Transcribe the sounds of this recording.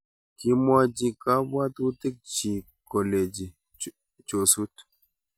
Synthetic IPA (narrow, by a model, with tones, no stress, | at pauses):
ki˦ma˦d͡ʒi˧ka˦bwa˦t̪u˦t̪i˦k̚t͡ʃi˨ | kɔ˨le˨d͡ʒi˨ | t͡ʃo˨su˦t